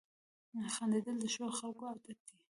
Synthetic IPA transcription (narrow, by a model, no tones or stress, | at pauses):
axand̪ed̪əld̪əʃoxalkoad̪at̪̚d̪i